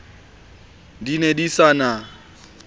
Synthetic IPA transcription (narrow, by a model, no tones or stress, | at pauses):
dinedisana